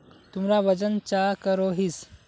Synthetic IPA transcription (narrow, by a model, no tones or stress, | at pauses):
t̪umɾaʋəd͡ʑənt͡ʃakəɾoɦis